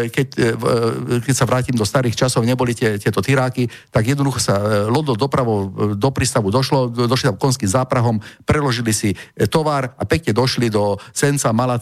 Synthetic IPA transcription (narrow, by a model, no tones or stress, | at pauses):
kɛc | kɛcsaʋɾaːcimd̪ɔst̪aɾiːxt͡ʃasɔʊɲɛbɔlit̪ɛt̪ɪɛt̪ɔt̪iɾaːki | t̪aɡjɛd̪nɔd̪uxɔsalɔd̪ɔd̪ɔpɾaʋɔʊd̪ɔpɾiːst̪aʋud̪ɔʃlɔd̪ɔʃlisamkɔnskizaːpɾaɦɔmpɾɛlɔʒilisit̪ɔʋaːɾapɛkɲɛd̪ɔʃlid̪ɔsɛnt͡samala